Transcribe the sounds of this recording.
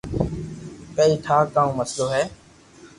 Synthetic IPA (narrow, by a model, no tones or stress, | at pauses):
pəːiːʈ̪ʰaːkaːũːməsloːɦɛː